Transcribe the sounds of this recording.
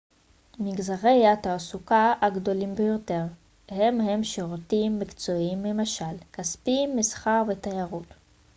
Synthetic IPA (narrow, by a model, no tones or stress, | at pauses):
miɡzaʁejat̪aːsukaaɡdo̞limbejo̞te̞ʁ | hemhemʃeʁotimːikt͡so̞imːemaʃalkaspimːisχaʁvetajaʁut